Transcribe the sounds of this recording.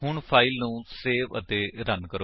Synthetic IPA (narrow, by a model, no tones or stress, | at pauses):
ɦʊɳpʰaːilnũːseːʋə̰t̪eːɾənkəɾo